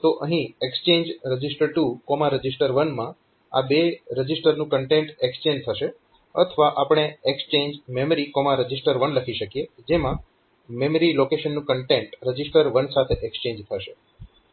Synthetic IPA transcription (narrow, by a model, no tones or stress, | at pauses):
t̪oʔəɦĩekst͡ʃẽɲd͡ʒɾəd͡ʒisʈəɾʈukɔmaɾəd͡ʒisʈəɾʋənmã | a̰beɾəd͡ʒisʈəɾnũkəɳʈeɳʈekst͡ʃẽɲd͡ʒt̪ʰəʃe | ə̰t̪ʰəʋaʔapɽ̃eekst͡ʃẽɲd͡ʒmemɾikɔmaɾəd͡ʒisʈəɾʋənləkʰiʃəkijed͡ʒemã | meməɾilokeʃənːũkəɳʈeɳʈɾəd͡ʒisʈəɾʋənsat̪ʰeʔekst͡ʃẽɲd͡ʒt̪ʰəʃe